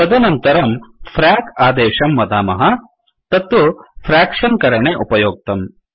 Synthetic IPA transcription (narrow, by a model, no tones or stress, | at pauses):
ɐd̪ɐnɐnt̪ɐɾɐmfʰɾaːkaːd̪eːʃɐmːɐd̪aːmɐɦɐ | t̪ɐt̪ʋɐfʰɾaːkʂɐnkɐɾɐɳeʔupɐjoːk̚t̪ɐm